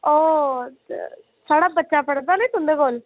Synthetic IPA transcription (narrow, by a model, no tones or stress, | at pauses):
o̰ː | saːɽaːbətːʃapəɽd̪aːləit̪ʊ̃nd̪eɡoːl